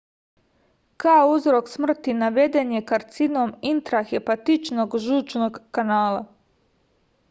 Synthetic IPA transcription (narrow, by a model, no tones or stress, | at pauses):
kaouzɾo̞ksmr̩t̪inaʋe̞d̪e̞njekaɾt̪sino̞mint̪ɾaxepat̪it͡ʃno̞ɡʒuːt͡ʃno̞ɡkːanaːla